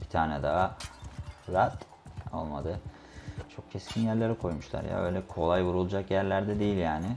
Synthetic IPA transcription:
bi̥t̪ʰaːnɛd̪aɦa | ɾat̪ | o̞̰lˠmad̪ɯ | t͡ʃʰo̞k̚cʰɛscʲʰinjæɾlʲeɾɛkʰo̞jmuʃlˠa̰ɾja̰ø̰jlʲɛkʰo̞lˠajvuɾulˠud͡ʒakjæɾlʲæɾd̪ɛd̪ejilʲjaːnɪ

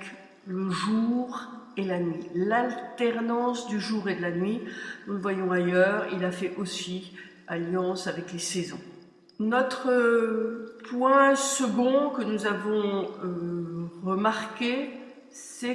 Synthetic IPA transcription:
k | ləʒuʁelanɥilalt̪ɛʁnɑ̃sd̪yʒuʁed̪əlanɥinuləvwajɔ̃ajœːʁḭlafɛʔosi | aljɑ̃savɛklesɛzɔ̰̃ | nɔt̪χə | pwɛ̃səɡɔ̃kənuzavɔ̃øʁəmaʁkʲe | sɛ

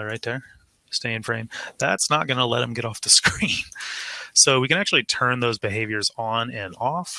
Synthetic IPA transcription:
ɹaɪt̪̚ðə˞ | steɪɨ̃nfɹẽɪ̃mðætsnət̚ɡ̥ʌnəlɛt̚hɨ̃mɡɛɾɔfðɨskɹĩn | soʊwikɨ̃ñæk̚t͡ʃʉl̩ˠitʰɜ̃˞nðoʊzbɨɦeɪvjə˞zn̩ɨ̃nɔf

